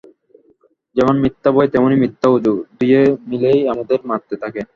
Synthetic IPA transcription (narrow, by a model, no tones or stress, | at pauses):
d͡ʑɛmonmit̪ːabɔet̪ɛmonimit̪ːaud͡ʑud̪ijemilejamad̪eɾmat̪ːet̪ʰake